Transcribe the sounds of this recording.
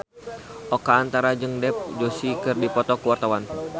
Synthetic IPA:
ʔɔkaːnt̪aɾad͡ʒɨŋdɛp̚d͡ʒosikɨrdipɔt̪ɔkuwart̪awan

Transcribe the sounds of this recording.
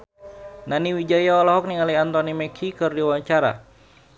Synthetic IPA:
naniwid͡ʒajaɔlaɦɔk̚niŋaliant̪ɔnimɛkʰikɨrdiwaɲt͡ʃaɾa̰

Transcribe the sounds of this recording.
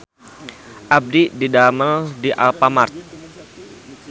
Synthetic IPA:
ʔab̚dididamaldiʔalpamart̪̚

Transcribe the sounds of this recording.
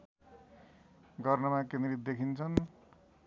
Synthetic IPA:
ɡʌrnʌmakenɾit̪̚d̪ekʰint͡sʰʌn

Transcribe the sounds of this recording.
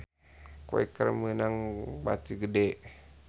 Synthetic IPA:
ko̰ḛkərmənaŋba̰t̪iɡədeʔ

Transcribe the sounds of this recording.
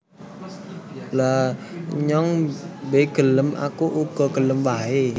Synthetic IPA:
laɲɔŋbeɡ̥ə̤ləmʔa̰kuʔuɡ̥ɔ̤ɡ̥ələmwae

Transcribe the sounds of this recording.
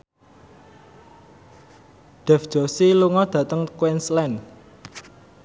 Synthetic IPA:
ɖ̪̥ɛ̤fd̥ʒ̥ɔ̤siluŋɔd̪̥ä̤t̪əŋkwɛnslɛn

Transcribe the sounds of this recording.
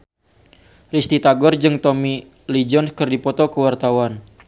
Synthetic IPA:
rist̪it̪aɡɔrd͡ʒɨŋt̪ɔmi | lid͡ʒɔnskərdipɔt̪ɔkəwart̪awan

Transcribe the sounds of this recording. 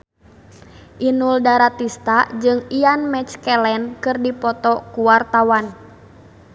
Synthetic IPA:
ʔinuldaɾat̪ist̪ad͡ʒɨŋianmɛt͡ʃkɛlɛnkɨrdipɔt̪ɔkuwart̪awan

